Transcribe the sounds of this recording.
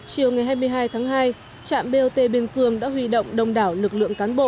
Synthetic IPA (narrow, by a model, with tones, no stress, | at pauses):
t͡ɕi˨˩əwŋa˨˩jɦaː˧jmɨ˧əjɦaː˧jt̪ʰaː˨˦ŋɦaː˧j | t͡ɕa̰ː˧˨mɓe˧o˧t̪e˧ɓi˧ənkɨ˨˧˩əŋɗa̰ː˧˥hwi˧˩ɗə̰˧˨wŋ͡mɗə˨˧˩wŋ͡mɗaː˧˩wlɨ˨˩k̚lɨ̰˧˨əŋkaː˨˦nɓo̰˧˨